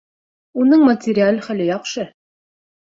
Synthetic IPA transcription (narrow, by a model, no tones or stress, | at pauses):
unɤɴmətʲɪɾʲɪalʲχælɘjɑqʃɤ